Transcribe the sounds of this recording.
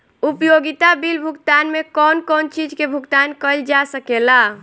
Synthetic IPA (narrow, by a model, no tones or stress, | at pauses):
upjoɡit̪abilbʱukt̪anmekɔnkɔnt͡ʃid͡ʒkebʱukt̪ankəld͡ʒasəkela